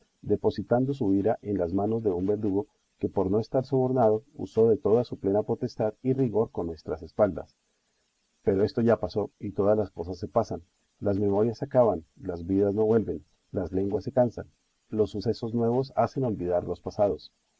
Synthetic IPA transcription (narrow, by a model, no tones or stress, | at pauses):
d̪e̞po̞sit̪and̪o̞s̬uiɾaʔe̞nlazmano̞zd̪e̞umbe̞ɾd̪uɣo̞ | ke̞po̞ɾno̞e̞st̪aɾso̞βo̞ɾnað̞o̞ṵso̞ðe̞t̪o̞ðasuple̞napo̞t̪e̞st̪aðiriɣo̞ɾkonːwe̞st̪ɾase̞spald̪a̰s | pe̞ɾo̞e̞st̪o̞ʝapaso̞it̪o̞ðazlasko̞sasːe̞pasan | lazme̞mo̞ɾjasakaβanlazbiðazno̞βwe̞lbe̞n | lazle̞ŋɡwasːe̞kansa̰n | lo̞sːuse̞so̞znwe̞β̞o̞sase̞no̞lbiðaɾlo̞spasað̞o̞s